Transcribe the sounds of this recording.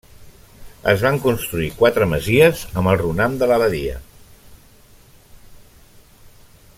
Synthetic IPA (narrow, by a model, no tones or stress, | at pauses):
ə̰zβaŋkunst̪ɾuikwat̪ɾəməziəzəməlˠrunamd̪ələβəðiə̰